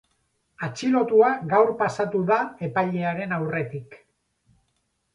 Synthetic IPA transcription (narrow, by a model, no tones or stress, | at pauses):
at͡ʃilo̞t̪uaɣawɾpasat̪uðae̞pajʎe̞aɾe̞nawre̞t̪ik